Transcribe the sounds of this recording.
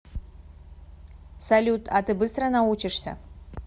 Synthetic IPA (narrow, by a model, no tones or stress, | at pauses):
salʲutʰatʰɨbɨst̪ranawut͡ʃʰɪʂtʰa̰